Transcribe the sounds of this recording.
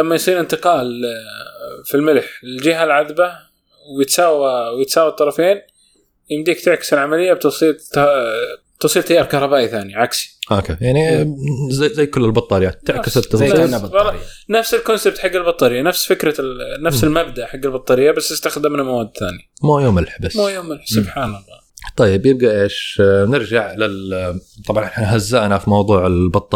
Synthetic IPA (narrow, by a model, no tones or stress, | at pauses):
lamːajsˤiːnɪnt̪ɪqɑːl | filmɪlħɪld͡ʒɪɦalʕaðba | wjɪt̪saːwawjɪt̪saːwɑt̪ˤːɑɾˤɑfeːn | jɪmd̪iːkt̪ɪʕkɪsɪlʕamalɪjːab̚t̪ʊsˤiːt̪ | t̪ʊsˤiːlt̪ajːɑːɾˤkɑhɾˤɑbaːʔiθaːniʕaksi̥ʔokḛjaʕnizazajːkʊlːɪlbɑt̪ˤːɑːɾjaːt̪ːɪʕkɪsɪt̪ːɑnbbɑlːɑ | nafsɪlkʊnsɪb̚t̪ħaɡːalbɑt̪ˤːɑɾɪjːanafsfɪkɾɑnafsɪlmabd̪aʔħaɡːalbɑt̪ˤːɑɾɪjːabast̪ɪst̪axd̪ɪmnamawaːd̪θa̰ːnimujoːmɪlħbasmuːjoːmɪlħsʊbħaːnɑlˤːɑːt̪ˤɑjːɪbjɪb̚ɡaʔeːʃnɪɾd͡ʒaʕlɪlt̪ˤɑbʕɑnʔɪħnɦazːaʔnafimɑwðˤuːʕɪlbɑt̪ˤːɑ